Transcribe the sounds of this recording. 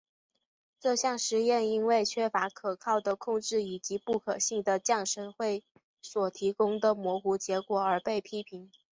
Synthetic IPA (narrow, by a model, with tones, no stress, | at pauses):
ʈ͡ʂɤ˥˧ɕjɑ˥˩ŋʂɻ̩˧˥jɛ˥˩ni˥nwe˥˩ɪt͡ɕʰɥɛ˥fa˧˥kʰɤ˨˩kʰɑ˥˩ʊd̪ə˩kʰʊ˥˧ŋʈ͡ʂɻ̩˥˩i˨˩t͡ɕi˧˥pu˥˩kʰɤ̰˨˩ɕi˥˩ŋd̪ə˩t͡ɕjɑ˥˩ŋʂə˧˥nxwe˥˩ɪ | swɔ˨˩t̪ʰi˧˥kʊ˥ŋd̪ə˨mwɔ˧˥xu˧˥t͡ɕjɛ˧˥kwɔ˨˩ə˞˧˥pe˥˩ɪpʰi˥pʰi˧˥ŋ